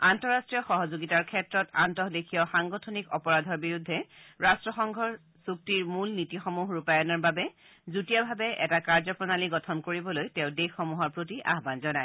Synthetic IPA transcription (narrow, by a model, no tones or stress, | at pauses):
antɔɹastɹijɔxɔɦɔzoɡitaɹkʰɛtɹɔtantɔɦdekʰijɔxaŋɡɔtʰɔnikɔpɔɹadʱɔɹbiɹudʱːɛɹastɹɔxɔŋɡʱɔɹ | suk̚tiɹmulnitixomuɦɹupajɔnɔɹbabɛ | zutijabʱabɛʔɛ̰takaɹzɔpɹɔnaliɡɔtʰɔnkoɹibɔlojtɛ̃ʊdexːɔmuɦɔɹpɹotiʔa̰ɦbanzɔnaj